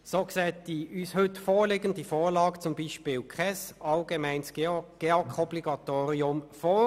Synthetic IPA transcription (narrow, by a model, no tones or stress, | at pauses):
soːksɛːt̚d̥iʔyːshʏtfoːɾlɪɡənd̥ifoːlɑːɡt͡sʊmbiːʃpɪːlkʰχɛsɑlɡ̥emæɪnsɡ̥eokʰɔbliɡɑt̪oːʁiʊmfoː